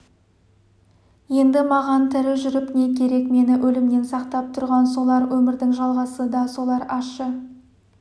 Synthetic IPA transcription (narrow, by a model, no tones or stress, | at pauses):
je̞nd̪ɪmɑʁɑnt̪ʰɪɾɪʒʏɾɪpne̞kʲʰe̞ɾe̞kme̞nɪʔɵlɪmne̞nsɑqt̪ɑp̚t̪ʰʊɾʁɑnso̞lˠɑɾwɵmɪɾd̪ɪŋʒɑlˠʁɑsəd̪ɑso̞lˠɑɾɑʃə